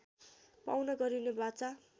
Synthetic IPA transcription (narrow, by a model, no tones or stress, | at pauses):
pawnʌɡʌɾinebat͡sa